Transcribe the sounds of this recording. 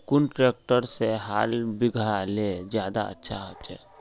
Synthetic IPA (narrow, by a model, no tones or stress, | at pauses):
kunʈɾek̚ʈəɾseɦaːlbiɡʱaled͡ʒjaːd̪a̰ə̰tːʃʰa̰ɦot͡ʃɛ̰